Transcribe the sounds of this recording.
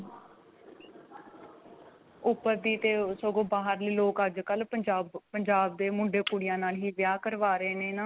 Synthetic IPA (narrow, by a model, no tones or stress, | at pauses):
ʊpːəɾd̪iːt̪eːsoɡõːbaːɦəɾliːloːkəd͡ʒkələd͡ʒaːbpəɲd͡ʒaːbd̪eːmʊɳɖeːkuːɽɪjãːnaːlɦiːʋjaːkəɾʋaːɾəeːneːnãː